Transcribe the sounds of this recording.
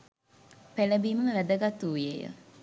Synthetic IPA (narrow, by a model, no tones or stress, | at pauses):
peləbiːməmʋæd̪əɡat̪uːjejə̰